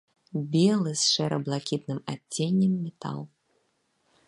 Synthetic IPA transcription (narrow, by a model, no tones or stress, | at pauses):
bʲɛlˠɨsʂɛɾɐblˠakʲit̪nɨma̰t͡st͡sʲːenʲːɐmːʲɛt̪a̰lˠ